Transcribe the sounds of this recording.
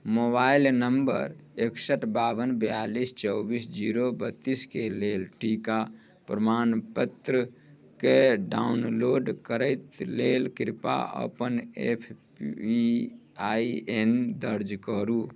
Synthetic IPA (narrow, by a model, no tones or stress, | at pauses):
mobailnəmbə̰ɾeksəʈbabənbjalist͡ʃəwbisd͡ʒiɾobət̪ːiskelelʈika | pɾəmanpət̪ɾə | keɖaunloɖkəɾəɪt̪lelkiɾpa̰ʔə̰pənepʰ | iaiend̪əɾd͡ʒkəɾu